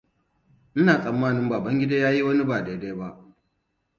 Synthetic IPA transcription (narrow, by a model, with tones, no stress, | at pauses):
ʔɪ˦naː˨sʼɐ˨mːaː˦˨nɪ˦mbaː˨bɐ˦ŋɡʲɪ˦daː˦jaː˦ji˦wɐ˦ni˦baː˨de˨deː˦ba˦ʔ